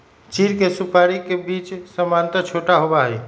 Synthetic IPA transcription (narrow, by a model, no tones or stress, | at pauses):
t͡ʃiɾkesupaɾikebit͡ʃsəmant̪ət͡ʃʰoʈaɦobaɦɛj